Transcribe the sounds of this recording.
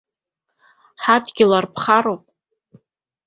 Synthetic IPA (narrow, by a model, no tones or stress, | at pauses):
ħadʰɡʲɪlarpʰχaɾowpʼ